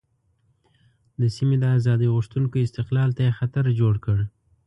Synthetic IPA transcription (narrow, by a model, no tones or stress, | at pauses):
d̪əsimed̪əazɑd̪iɣʊʂt̪unkoɪst̪ɪqlɑlt̪ajexat̪aɾd͡ʒoɽkəɽ